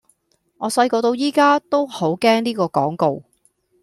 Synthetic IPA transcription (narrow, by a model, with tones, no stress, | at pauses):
ŋɔː˨˧sɐ˧jkɔː˧t̪o˧wjiː˥kaː˥t̪o˥who˨˥wkɛː˥ŋniː˥kɔː˧kɔ̰ː˨˥ŋko˨w